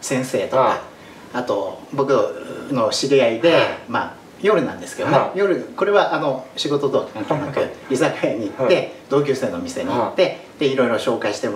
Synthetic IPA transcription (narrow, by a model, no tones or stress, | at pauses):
sẽ̞ɰ̃se̞̰ːt̪okaː | t̪o̞bo̞kɯ̟no̞ɕiɾʲiaid̪e̞ma̰ː | jo̞ɾɯ̟nã̰nd̪eske̞d̪omajo̞ɾɯ̟ko̞ɾe̞βaʔano̞ɕiɡo̞t̪o̞t̪o̞knãŋk̪enakɯ̟ɾʲisakajaɲ̟iːt̪ːe̞d̪̥o̞ːk̬ʲɨːse̞ːno̞mʲise̞ɲ̟iːt̪ːe̞ | d̪̥e̞iɾo̞iɾo̞ɕo̞ːkaiɕi̥t̪e̞